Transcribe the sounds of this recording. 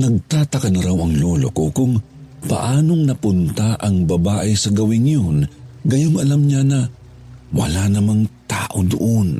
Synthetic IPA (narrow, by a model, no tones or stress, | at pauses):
nɐɡ̚t̪aːt̪ɐkɐnɐɾawɐŋlolo̰kokʊŋ | pɐ̰ʔaːno̞ŋnɐpʊnt̪aʔɐŋbɐbaːʔɪsɐɡɐwɪnjonɡɐjoŋɐlamɲanɐ | wɐ̰lanɐmaŋt̪a̰ːʔod̪o̰ʔon